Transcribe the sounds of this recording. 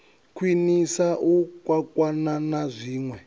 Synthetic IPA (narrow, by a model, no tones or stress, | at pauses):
kʰwinisaʔukwakwananazʷiːŋwɛ